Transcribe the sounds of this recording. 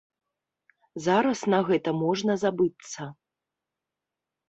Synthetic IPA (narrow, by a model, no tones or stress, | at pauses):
zaɾɐsnaɣɛt̪ɐmɔʐnɐzabɨt̪sːɐ